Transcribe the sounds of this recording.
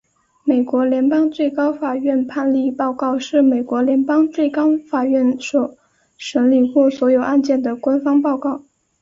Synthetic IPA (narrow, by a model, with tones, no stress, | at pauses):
me˨˩ɪkwɔ˧˥ljɛ˧˥npɑ˥ŋt͡swe˥˩ɪkɑ˥ʊfa˨˩ɥɛ˥˧npʰa˥˧nli˥˧pɑ˥˧ʊkɑ˥˧ʊʂɻ̩˥˩me˨˩ɪkwɔ˧˥ljɛ˧˥npɑ˥ŋt͡swe˥˩ɪkɑ˥ʊfa˨˩ɥɛ˥˩nʂɔ˧˩ | ʂə˧˥nli˨˩xɔ˥˩swɔ˧˥jo˨˩ʊʔa˥˧nt͡ɕjɛ˥˩nd̪ə˩kwa˥nfɑ˥ŋpɑ˥˧ʊkɑ˥˩ʊ